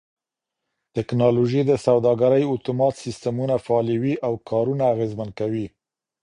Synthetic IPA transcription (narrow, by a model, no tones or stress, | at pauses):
t̪ɪknɑloʒid̪əsawd̪ɑɡaɾəjʊt̪umɑt̪sist̪amunafaːliwiʔawkʰɑɾunaːɣezmankawi